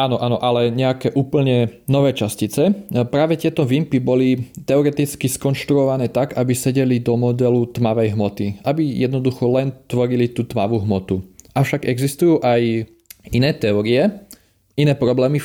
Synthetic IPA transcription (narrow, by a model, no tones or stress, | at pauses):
aːnɔʔaːnɔʔalɛɲɛakɛːʔuːpl̩ɲɛnɔʋɛːt͡ʃascit͡sɛpɾaːʋɛt̪ɪɛt̪ɔʋimpibɔlit̪ɛɔɾɛt̪it͡skiskɔnʃt̪ɾuɔʋanɛːt̪aɡabisɛɟɛlid̪ɔmɔd̪ɛlut̪maʋɛjɦmɔt̪iʔabijɛd̪nɔd̪uxɔlɛnt̪ʋɔɾilit̪uːt̪maʋuɦmɔt̪uʔaʊʃaɡɛɡzist̪ujuːʔaj | inɛːt̪ɛɔɾiɛ | inɛːpɾɔblɛːmi